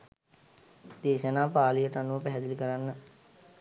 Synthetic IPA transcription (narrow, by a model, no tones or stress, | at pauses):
d̪̥eːʃənaːpaːlijəʈanuʋəpɛɦɛd̪ilikəɾanːə